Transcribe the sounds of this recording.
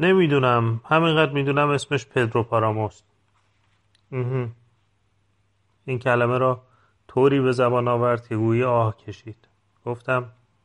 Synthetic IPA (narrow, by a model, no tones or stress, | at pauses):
ne̞miːd̪uːnæmhæmiŋɢæd̪ɾmiːd̪uːnæme̞sme̞ʃpʰe̞d̪ɾopʰɒɾɒːmost̪ | m̩ːh̩ | iːncʰælæmeɾɒː | t̪ʰoːɾiːβe̞zæbɒːnɒːvæɾd̪̥̚kʰeɡuːjiɒːhcʰe̞ʃiːd̪̥ | ɡ̥oft̪æm